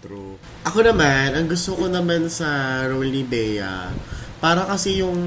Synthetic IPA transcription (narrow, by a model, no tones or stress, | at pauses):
ɾ | ʔɐko̞nɐmanʔɐŋɡʊst̪oko̞nɐmansɐɾolibɛjɐ̰paːɾɐkɐsɛjʊŋ